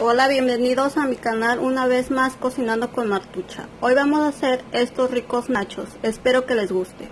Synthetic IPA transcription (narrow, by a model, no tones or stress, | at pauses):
o̞laβje̞mbe̞niðo̞samikanalunaβ̞e̞zmasko̞sinãnd̪o̞ko̞nmaɾt̪ut͡ʃa̰o̞jβamo̞sase̞ɾe̞st̪o̞sriko̞znat͡ʃo̞sespe̞ɾo̞ke̞le̞zɣust̪ḛ